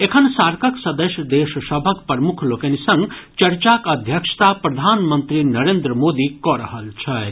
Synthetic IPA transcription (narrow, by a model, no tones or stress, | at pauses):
ekʰənsaɾkʰəksəd̪əsjəd̪eʃəsəbʱəkpəɾmukʰlokenisə̃ŋɡt͡ʃɐɾt͡ʃakəd̪ʱjəkʂə̥t̪apɾɐd̪ʱaːnmənt̪ɾinɐɾend̪ɾəmod̪ikɔɾəɦəlt͡ʃʰɐ